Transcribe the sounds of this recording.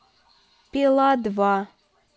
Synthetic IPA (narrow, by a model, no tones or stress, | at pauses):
pilad̪va